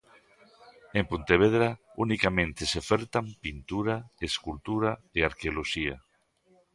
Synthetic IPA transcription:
empunt̪eβ̞eðɾaunikamẽnt̪eseofeɾt̪ampint̪uɾaeskult̪uɾaeaɾkeoloʃia̰

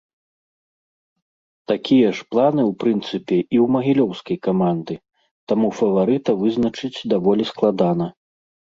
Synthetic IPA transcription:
t̪akʲijɐʂplˠanɨwpɾɨnt̪sɨpʲɛʔiwmɐɣʲilʲɔwskɐjkamand̪ɨ | t̪amufɐvaɾɨt̪ɐvɨznɐt͡ʂɨt͡sʲd̪avɔlʲisklˠad̪anɐ

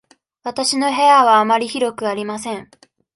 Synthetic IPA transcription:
βat̪aɕino̞ɦe̞aβaːmaɾʲiçiɾo̞kɯ̟aɾʲimasẽ̞ɴ

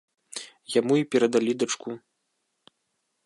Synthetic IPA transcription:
jamuipʲɛɾɐd̪alʲid̪at͡ʂku

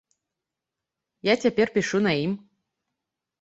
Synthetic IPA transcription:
jatʲapʲerʲpʲiʃunaim

